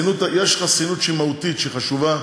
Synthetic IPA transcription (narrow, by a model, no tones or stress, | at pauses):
nut̪ajeʃχasinut̪ʃimaut̪it̪ʃeχaʃuva